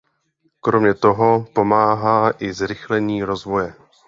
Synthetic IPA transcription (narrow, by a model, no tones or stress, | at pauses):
kɾo̞mɲɛt̪o̞ɦopo̞maːɦaːʔɪzɾɪxlɛɲiːɾo̞zvo̞jɛ